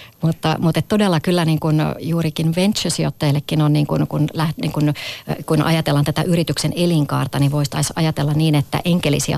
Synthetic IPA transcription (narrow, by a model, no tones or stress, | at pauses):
mut̪ːɑmut̪et̪t̪odelːɑkylːæniːŋkunjuːɾikinʋent̪t͡ʃøsiot̪ːɑjɑlːekːinonniːŋkunkunlæhnḭːŋkunkunʔɑ̰jɑt̪elːɑnt̪æt̪æ̰ʔyrit̪ykseneliŋkɑ̰ːrt̪ɑniʋoist̪ɑisɑ̰jɑt̪elːɑnniːnet̪ːæ̰ʔeŋkelḭsiæ̰